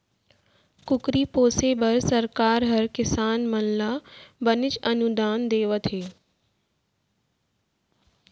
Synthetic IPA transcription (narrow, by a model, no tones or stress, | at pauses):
kʊkɾiːpoːsebɐɾsɐɾkaːɾɦɐɾkɪsaːnmɐnlaːbɐnɪt͡ɕɐnud̪aːnd̪eːʋət̪ʰɦeː